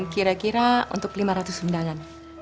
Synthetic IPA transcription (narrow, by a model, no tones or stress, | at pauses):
nkiɾakiɾaṵnt̪ʊklimaɾat̪ʊsundaŋan